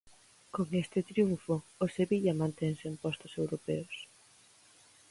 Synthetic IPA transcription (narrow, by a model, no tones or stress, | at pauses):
koŋest̪ɪt̪ɾiuɱfoːseβiʎɐmãnt̪ɛŋsempɔst̪osewɾopɛos